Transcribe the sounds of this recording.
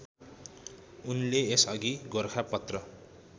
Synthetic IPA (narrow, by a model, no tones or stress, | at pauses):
unleesʌɡiɡorkʰapʌt̪rʌ